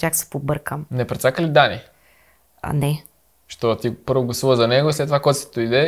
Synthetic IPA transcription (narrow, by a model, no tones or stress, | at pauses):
t͡ʃaksɛ̥pobɤɾkəmnɛpɾɛt̪sakəlid̪ani | a̰nɛ | ʃt̪ɔt̪ipɤɾvoɡlˠɐsuvəzɐnɛɡoislɛt̪ːovakɔjt̪sɛd̪oid̪ɛ